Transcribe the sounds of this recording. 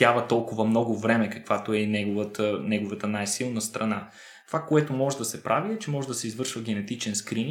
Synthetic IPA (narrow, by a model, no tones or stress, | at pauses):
avɐt̪ɔlˠkʊvɐmnɔɡʊvɾɛmɛkɐkvat̪oɛnɛɡovət̪ənɛɡovət̪ənajsilˠnəst̪ɾɐna | t̪ovakoɛt̪omɔʒɛd̪ɐsɛpɾʔaviɛt͡ʃɛmɔʒɛd̪ɐsɛizvɤɾʃvəɡ̟ɛnɛt̪it͡ʃɛnskɾin